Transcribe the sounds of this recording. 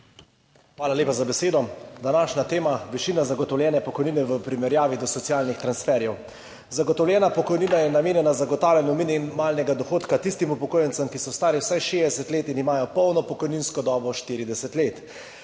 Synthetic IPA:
xʋaːlaleːpazabɛseːd̪ɔd̪anaːʃnat̪eːmaʋiʃiːnazaɡɔt̪ɔwlʲjɛːnɛpɔkɔjniːnɛʋəpɾimɛɾjaːʋid̪ɔsɔt̪sijaːlnixt̪ɾansfɛːɾjɛw | zaɡɔt̪ɔwlʲjɛːnapɔkɔjniːnajɛnameːnjɛnazaɡɔt̪aːwlʲjɛnɔmininmaːlnɛɡad̪ɔxoːt̪kat̪ist̪imupɔkoːjɛnsəmkisɔwst̪aːɾiwsajʃeːd̪ɛsɛt̪leːt̪inimaːjɔpɔwnɔpɔkɔjninskɔd̪ɔːbɔʃt̪iːɾid̪ɛsɛt̪leːt̪

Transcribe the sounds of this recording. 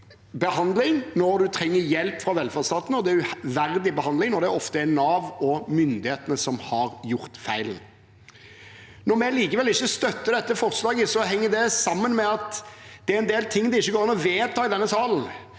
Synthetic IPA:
bəhɑnd̪lɪŋnɔɾd̪ʉt̪ʰɾɛŋːəɾjɛlpfɾɑʋɛlfæd̪st̪ɑːt̪nəɔd̪ɛɾʉʋæɾd̪ɪbəhɑnd̪lɪŋnɔd̪ɛæɾɔft̪əænɑːʋɔmʏnd̪ɪheːt̪ənəsɔmhɑɾjʊɾt̪fæɪlən | nɔmɛliːkəʋɛlɪçːəst̪œt̪ːəd̪ɛt̪ːəfɔʁslɑːɡəsɔɦɛŋːəd̪ɛsɑmːənmɛɑt̪d̪̥ɛæɾɛnd̪eːlt̪ʰɪŋːd̪ɛɪçːəɡoːɾɪnɔʋeːt̪ʰɑːɪd̪ɛnːəsɑːln̩

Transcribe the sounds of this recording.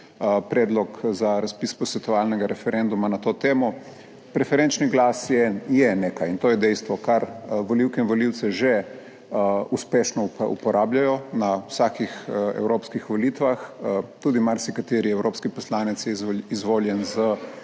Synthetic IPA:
pɾɛːd̪lɔkzaɾaspiːspɔsʋɛt̪ɔʋalnɛɡaɾɛfɛɾend̪umanat̪oːt̪eːmɔ | pɾɛfɛɾent͡ʃniɡlasjɛjɛnekajint̪oːjɛd̪ɛjst̪ʋɔkaɾʋoliwkɛinʋoliwt̪sɛʒɛ | uspeːʃnɔṵpɔɾʔaːbljajɔnawsaːkixɛ̰wɾoːpskixʋolit̪ʋaxt̪uːd̪imaɾsikat̪eːɾiɛwɾopskipɔslaːnɛt̪sjɛzizʋoːljɛnzə

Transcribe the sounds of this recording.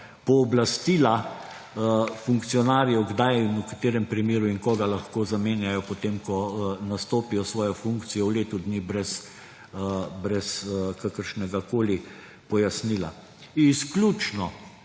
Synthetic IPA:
pɔːblast̪iːla | fuŋktsijɔnaːɾiɔɡd̪ajnukḁt̪eːɾɛmpɾimeːɾuiŋkɔːɡalaxkoːzameːnjajɔpɔt̪emkɔnast̪oːpijɔsʋɔːjɔfuŋkt̪sijɔwleːt̪ud̪niːbɾɛs | bɾɛskakəɾʃnɛɡakoːli | pɔjasniːla̰ | isklʲut͡ʃnɔ

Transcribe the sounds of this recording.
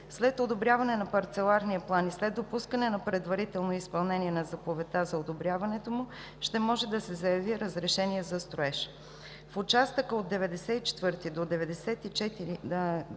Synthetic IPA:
slɛt̪od̪obɾjavɐnɛnɐpɐɾt̪sɛlˠaɾniəplˠanislɛd̪̚d̪opuskənɛnɐpɾɛd̪vɐɾit̪ɛlˠnoispɐlˠnɛniɛnɐzɐpovɛt̪azɐod̪obɾʲjavɐnɛt̪omʊ | ʃt̪ɛmɔʒɛd̪ɐsɛzɐjɐviɾəzɾɛʃɛniɛzɐst̪ɾʊɛʃ | fot͡ʃast̪əkəod̪̚d̪ɛvɛd̪ɛsɛit͡ʃɛ̥t̪vɤɾt̪id̪od̪ɛvɛd̪ɛsɛt̪it͡ʃɛt̪iɾi

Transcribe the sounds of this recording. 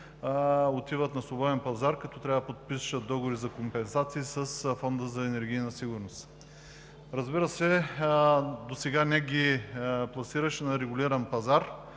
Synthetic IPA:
ot̪ivət̪nɐslˠobɔɛnpɐzaɾkɐt̪ɔt̪ɾʲavɐd̪ɐpot̪̚pisʃət̪̚d̪ɔɡovoɾizɐkompɛnsat̪siːsəsfɔnd̪əzɐɛnɛɾɡ̟ʲijnəsiɡʊɾnost̪ | ɾɐzbiɾəsɛ | d̪osɛɡanɛɡʲiplˠɐsiɾəʃɛnɐɾɛɡʊlʲiɾɐnpɐzaɾ

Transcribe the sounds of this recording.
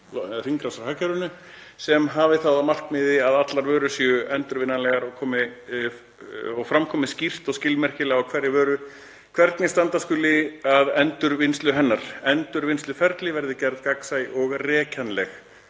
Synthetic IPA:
r̥iŋkɾasaɾhacaɾʏnʏ | sɛmɦavɪθawðamar̥kmɪðɪaðat̪laɾvœːɾʏsjʏʔɛnt̪ʏɾvɪnːanlɛɣaɾɔɣkʰɔːmɪ | ɔɣfɾamkʰɔːmɪscir̥t̪ɔɣscɪlmɛr̥cɪlɛɣawkʰvɛɾːɪvœːɾʏ | kʰvɛɾt̪nɪst̪ant̪askʏlːɪaðɛnt̪ʏɾvɪnst̪lʏɦɛnːaɾ̥ɛnt̪ʏɾvɪnst̪lʏfɛɾt̪lɪvɛɾðɪcɛɾðkaksajɔɣrɛːcʰanlɛx

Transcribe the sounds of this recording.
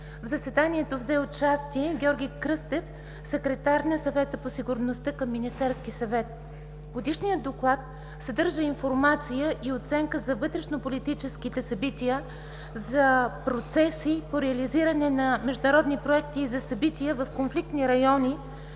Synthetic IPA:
vzɐsvɛd̪aniɛt̪ovzɛot͡ʃast̪iɛɡʲɔɾɡʲikɾɤst̪ɛf | sɛkɾɛt̪aɾnɐsɐvɛt̪əposiɡʊɾnost̪əkəmːinist̪ɛɾskisɐvɛt̪̚ | ɡod̪iʃnijəd̪oklˠat̪̚ | sɛd̪ɤɾʒəinfoɾmat̪sijəʔiot̪sɛŋkəzɐvɤt̪ɾɛʃnopolit̪it͡ʃɛskit̪ɛsɐbit̪ijə | zɐpɾot̪sɛsipoɾɛɐliziɾɐnɛnɐmɛʒd̪ʊnɾɔd̪nipɾoɛkt̪iːzɐsɐbit̪ijəvɐfkonflik̚t̪niɾɐjɔni

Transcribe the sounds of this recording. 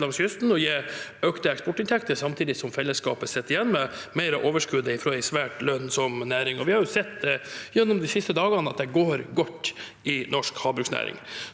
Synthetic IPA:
lɑŋsjʏst̪n̩ɔjæøːkt̪əɛkspɔʈːɪnt̪ʰɛkt̪əsɑmt̪ʰiːd̪ɪsɔmfɛlːəskɑ̰ːpəsɛt̪ːɪjɛnːməmæɪɾəʔoːʋəʂkʉd̪əɪfɾoːæɪsʋæːʈlœnsɔmnæːɾɪŋɔʋɪhɑɾjʊsɛt̪ːd̪ɛjɛnːɔmd̪ɪsɪst̪əd̪ɑːɡɑnəɑt̪̚d̪ɛɡoːɾɡɔt̪ː | ɪnɔʂkhɑːbɾʉːksnæ̰ːɾɪ̰ŋ

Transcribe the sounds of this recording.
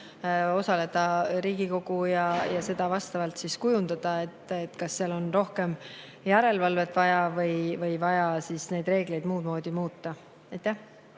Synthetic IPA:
o̞sɑle̞d̪̥ɑɾiːɡ̥iko̞ɡ̥ujɑjɑse̞d̪̥ɑvɑst̪ɑvɑlt̪siskujund̪̥ɑd̪̥ɑe̞t̪ːˑet̪ːˑkɑsːeɑlo̞nro̞hke̞m | jæɾe̞lvɑlve̞t̪ːˑvɑjɑvɤjvɤjvɑjɑsisne̞jd̪̥re̞ːɡ̥le̞jd̪̥muːd̪̥mo̞ːd̪̥ʲimuːt̪ːɑ | ɑjt̪ːæh

